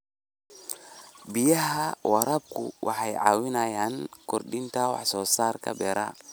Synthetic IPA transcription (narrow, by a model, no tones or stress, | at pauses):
bijɐɦɐwɑɾɐb̚kʰʊ̰wʔɑ̰ħɑjʕɑ̰ːwɪnɐjaːnkʰɔrɖɪnt̪ʰɐwɑ̰ħsɔːsaːrkʰɐ̰bɛːɾɐ̰